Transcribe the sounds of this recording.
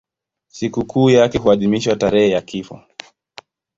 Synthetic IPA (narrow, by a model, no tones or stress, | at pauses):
sikukuːjakɛhuaðimiʃwataɾɛhɛjakifɔ̰